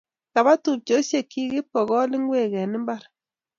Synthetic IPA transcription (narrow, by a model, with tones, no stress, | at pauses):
ka˨βa˦tu˨p̚t͡ʃo˨˦sje˦˨ki˦ɣɪ˦pɔ˨ɣɔ˦lɪ˦ŋwe˦˨ɣɛ˨nɪ˦mba˦ɾ